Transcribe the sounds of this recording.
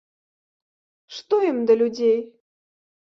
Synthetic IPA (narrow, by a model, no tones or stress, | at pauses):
ʃt̪oəmd̪əlʲudʲej